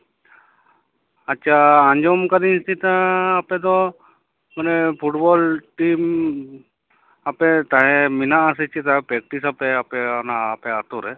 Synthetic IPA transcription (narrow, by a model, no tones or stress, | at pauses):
ɐtːʃʰaaɲd͡ʒomkad̪insit̪ãːped̪ɔ | mɐnepʰuʈbɔlʈim | apet̪aɦeminas̬it͡ʃʰit̪aɦepɾek̚ʈisapeapeanaːpeat̪oɾe